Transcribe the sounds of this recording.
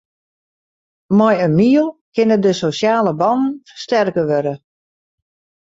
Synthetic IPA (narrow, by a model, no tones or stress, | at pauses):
mɔjənmiəlˠkɪnədəsosjaːləbɔnn̩fərstɛrkəʋøɾə